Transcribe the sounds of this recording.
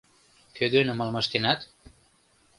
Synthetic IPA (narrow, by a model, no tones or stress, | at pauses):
kød̪ønə̆mɑlmɑʃt̪enɑt̪